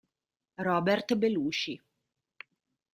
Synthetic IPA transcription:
rɔːbɛrt̪beluːt͡ʃi

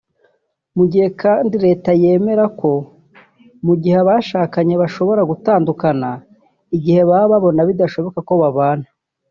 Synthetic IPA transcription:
muɟihe̞kaːndiɾe̞ːtaje̞ːme̞ɾako̞ | muɟiheβaʃaːkaɲe̞βaʃo̞βo̞ɾaɡutaːndukana | iɡihe̞βaːβaβo̞naβidaʃo̞βo̞kako̞βaβaːn̥a

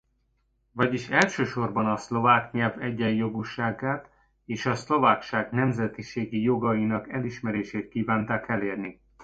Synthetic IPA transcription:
vɒɟiʃɛlʃøːʃo̞rbɒnɒslo̞vaːkɲɛlvɛɟːɛjjo̞ɡuʃaːɡaːt̪ | eːʃɒslo̞vaːkʃaːɡnɛmzɛt̪iʃeːɡijo̞ɡɒjinɒkɛliʃmɛɾeːʃeːt̪̚kiːvaːnt̪aːkɛleːrni

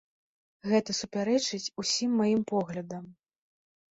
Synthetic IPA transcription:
ɣɛt̪ɐsupʲaɾɛt͡ʂɨt͡sʲusʲimːajimpɔɣlʲɐd̪ɐm

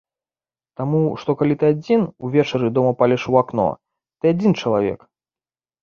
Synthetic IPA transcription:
t̪amuʂt̪ɔkalʲit̪ɨad͡zʲinuvʲɛt͡ʂɐɾɨd̪ɔmɐpalʲɛʂuaknɔ̰ | t̪ɨad͡zʲint͡ʂɐlˠavʲɛ̰k

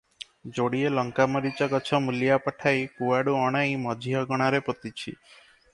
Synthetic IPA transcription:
d͡ʒoɽielɔŋkamɔɾit͡ʃɔkɔt͡ʃʰɔmuljapəʈʰajkuaɽuɔɽ̃aimɔd͡ʒʱijɔɡɔɽ̃aɾepɔt̪it͡ʃʰḭ

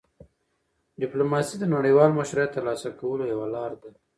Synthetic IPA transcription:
ɖɪplomɑsid̪ənaɽəjwɑlməʃɾat̪ːəɾlɑsakawəlojawalɑɾd̪a

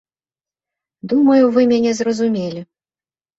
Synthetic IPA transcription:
d̪umɐjuvɨmʲanʲɛzrɐzumʲelʲi

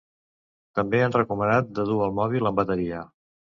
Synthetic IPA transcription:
t̪əmbeanrəkumənat̪̚d̪əðuəlˠmɔβ̞iləmbət̪əɾiə

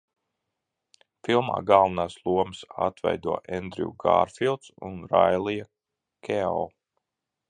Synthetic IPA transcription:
filˠma̰ːɡalˠvɐnaːslˠuɔmɨsa̰t̪vɛ̰jd̪uɔʔɛnd̪ɾḭuɡa̰ːɾfilˠt̪sṵnɾajlˠija | kʰʲeɔ̰lˠ

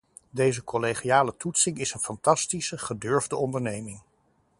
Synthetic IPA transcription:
dejzəkɔleχiaːlətutsɪŋɪsənfɑntɑstisəχədøɹvdəɔndəɹnejmɪŋ

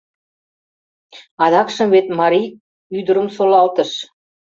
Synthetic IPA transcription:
ɑd̪ɑkʃə̆mβet̪mɑɾi | yd̪ə̆ɾə̆msolˠɑlt̪ə̆ʃ

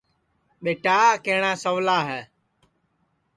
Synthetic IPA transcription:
ɓeːʈaːkeːɳaːsəʋlaːɦɛː

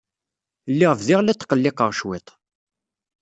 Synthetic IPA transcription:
lːɪʁəfðɪʁlæt͡sːqːəlːɪqəʁʃwɪt̪ˤ

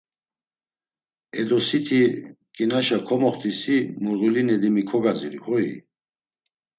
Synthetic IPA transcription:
ɛd̪ɔsit̪ʰikʼinaʃakʰɔmɔχt̪ʰʼisimuɾɣulinɛd̪imikʰɔɡaziɾihɔḭ

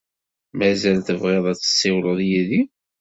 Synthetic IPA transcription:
mæzælθəvʁɪðˤɑt͡sːə̥sːɪwləðˤjiði

